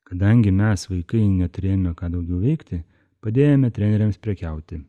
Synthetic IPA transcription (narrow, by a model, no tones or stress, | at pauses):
kɐd̪ɐŋʲɡʲɪmʲɛsʋɐɪkɐɪnʲɛt̪ʊɾʲeːjomʲɛkɑːd̪ɐʊɡʲɛʊʋʲɛɪkt̪ʲɪ | pɐd̪ʲeːjomʲɛt̪ʲɾʲɛnʲɛɾʲɛmspʲɾʲɛkʲæʊt̪ʲɪ